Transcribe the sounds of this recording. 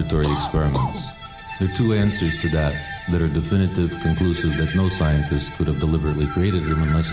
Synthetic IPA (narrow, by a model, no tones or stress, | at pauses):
ɨtʰɔɹiɨkspɛɹɨmə̃nts | ðə˞tʰuæ̃nsə˞z̥tʰɨðət̪̚ðɨɾə˞dɨfɪ̃ñɨɾɪv̥kʰɨ̃nkʰl̥usɨvðɨtⁿnoʊsaɪɨ̃ntʰɨstskʰʊɾɨvdəlɪbə˞ɨtˡlikʰɹ̥ieɪɾɨd̚ɪ̃mə̃nas